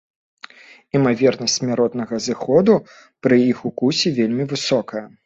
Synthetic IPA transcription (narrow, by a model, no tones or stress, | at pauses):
imavʲɛrnɐsʲt͡sʲmʲaɾɔt̪nɐɣɐzɨxɔd̪u | pɾɨixukusʲɛvʲelʲmʲivɨsɔkɐjɐ